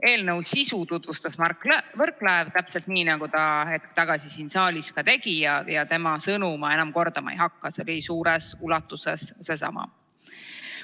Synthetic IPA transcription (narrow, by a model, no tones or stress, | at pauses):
e̞ːlnəwsisut̪ut̪vust̪ɑsmɑrkːˑvɤrkːˑlɑevt̪æpse̞lt̪niːnɑɡ̥ut̪ɑhe̞t̪̚kt̪ɑɡ̥ɑsisiːnsɑːlʲiskɑt̪e̞ɡ̥ijɑjɑt̪e̞mɑsɤnumɑe̞nɑmko̞rd̪̥ɑmɑ̰ejɦɑkˑːɑseliisuːɾesulɑt̪ːˑusesse̞sɑ̰mɑ̰